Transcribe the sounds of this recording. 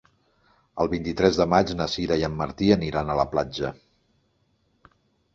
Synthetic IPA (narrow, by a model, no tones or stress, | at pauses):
əlˠβint̪it̪ɾɛzðəmad͡ʒnəsiɾəjəmːəɾt̪iəniɾanələplad͡ʒə